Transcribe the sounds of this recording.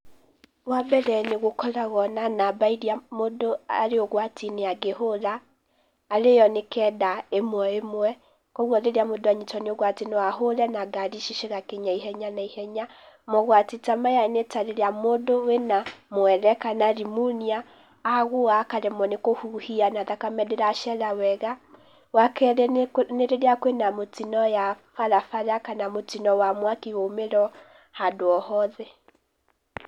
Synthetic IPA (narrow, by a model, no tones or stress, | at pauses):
wabɛɾɛneɣokɔlaɣɔnanabaiɾiamodoaɾeoɣwatineaɡeholaː | ɾejɔnekɛdaemwɛemwɛ | kɔɣwɔɾeɾiamodoaɲitɔneoɣwatenoaɦolɛnaɡaɾiʃiʃeɣakeɲaiɦɛɲanaihɛɲa | mɔɣwatetamajanetaɾeɾamodowenamwɛɾɛkanaɾimuniaː | ɣoakaɾemɔnekohuhianaðakamɛdeɾaʃɛɾawɛɣa | wakɛɾɛneɾeɾeakwenamotinɔjafaɾafaɾakanamotinɔwamwakiɣomeɾɔ | hadoɔhɔðɛ